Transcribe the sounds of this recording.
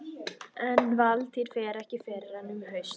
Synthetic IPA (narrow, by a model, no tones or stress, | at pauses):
ɛnvalt̪ʰiːɾ̥fɛːɾɛhcɪfɛːɾɪɾ̥hanːʏmhœɥs